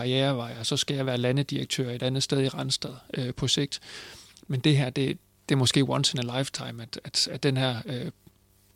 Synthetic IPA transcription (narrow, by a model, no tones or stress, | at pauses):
ɑ̈ieːɐʋɑ̈ɪɐsɒ̽sɡ̥æjɑ̈ɪʋæːɐlænəd̥iɐɡ̥̚t͡sʰø̰ːɐe̝dɾ̥ænð̞̩ˠsd̥eð̞ˠiʁɑnsd̥ɛð̰ˠøpʰɒ̽se̝ɡ̥̚d̥mend̥e̝ɦæɐ̰d̥e̝ | d̥e̝ɐmɒ̽sɡ̥e̝̰ːwɒ̽nsenælɑ̈ɪft͡sʰɑ̈ɪmæd̥æd̥æ̥enɦæɐ̰ø